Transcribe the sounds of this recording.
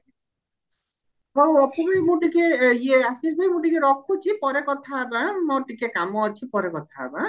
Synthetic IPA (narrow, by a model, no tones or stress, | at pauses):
ɦoɔpʰɔbemũʈikeieasisbajmũʈikeɾɔkʰut͡ʃʰipɔɾekɔt̪ʰaːbamɔʈikekamɔːt͡ʃʰipɔɾekɔt̪ʰa̰ːba